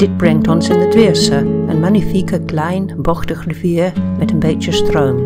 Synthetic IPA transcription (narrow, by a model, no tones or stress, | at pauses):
d̥ɪd̚brɛŋk̚tɔnsɪnətʋɪəɹsəʔə̰nmanifikəklɛjnbɔxtəxriviːɹmɛtənbejtjəstrowm